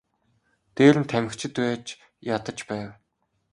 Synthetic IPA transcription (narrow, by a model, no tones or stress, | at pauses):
t̪eːɾɘ̆nt̪ʰæmɘ̆kt͡ɕʰɪ̆t̪wæːt͡ɕ | jat̪ə̆t͡ɕpæːw